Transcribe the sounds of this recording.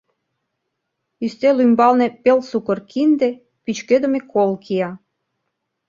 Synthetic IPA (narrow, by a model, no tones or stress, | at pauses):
yst̪elymbɑlnepelsukərkind̪e | pyt͡ɕkød̪ə̆mekʰolkʰijɑ